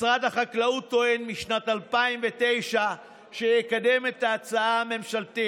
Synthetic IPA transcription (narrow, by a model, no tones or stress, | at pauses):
sʁat̪haχaklaut̪ːoenmiʃnat̪alpaimvete̞jʃa | ʃejekad̪e̞met̪aːt͡saame̞mʃalt̪i